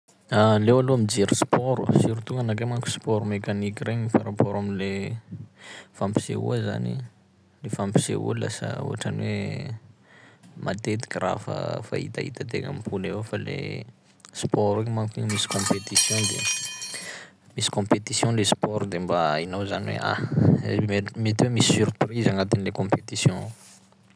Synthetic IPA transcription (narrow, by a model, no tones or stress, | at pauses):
alewaloamid͡ʒeɾuspɔɾusiɾut̪uŋɡanakemaŋku̥spɔɾumekanikireɲifaɾapɔɾaminle | fãmpi̥sḛṵəza̰nḭ | lefampi̥sḛṵla̰sə̰ṵaʈ͡ʂaniwe | mʔa̰t̪et̪i̥kʲira̰fa̰fa̰ḭt̪aḭt̪at̪eŋa̰mipulewofalḛ | spɔɾimakiɲmisi̥kɔ̃pet̪isjɔ̃d̪ḛ | misi̥kɔ̃pet̪isjɔ̃lespɔɾud̪embainawzaniwḛʔa̰ | met̪iwemisi̥syɾprizaŋat̪inlekɔ̃pet̪isjɔ̃